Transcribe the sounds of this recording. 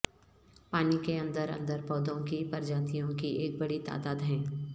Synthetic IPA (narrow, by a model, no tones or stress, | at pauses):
paːnikeɐ̃nd̪əɾɐ̰̃nd̪əɾpɔːd̪õkipɐɾd͡ʒãːt̪ijõkieːk̚bɐɽit̪a̰ːd̪aːd̪ɦɛ̃ː